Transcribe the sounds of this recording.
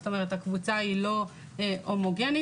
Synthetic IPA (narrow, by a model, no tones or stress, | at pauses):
t̪ome̞ʁet̪hakvut͡sailo̞ | omoɡeni